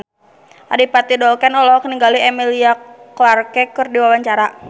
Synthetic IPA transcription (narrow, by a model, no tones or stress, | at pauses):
ʔa̰dipat̪idɔlkɛnɔlɔkəniŋɡaliɛmiliakoarkɛkɨrdiwawaɲt͡ʃaɾa